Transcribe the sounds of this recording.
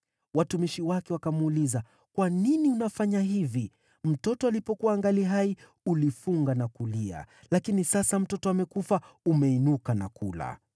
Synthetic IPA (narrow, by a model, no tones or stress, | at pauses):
watumiʃiwakɛwakamuuliza | kwaniniunafaɲaɦivi | m̩tɔtɔalipɔkuwaŋɡaliɦai | ulifuŋɡanakulia̰ | lakinisasam̩tɔtɔamɛkufaumɛinukana̰kula̰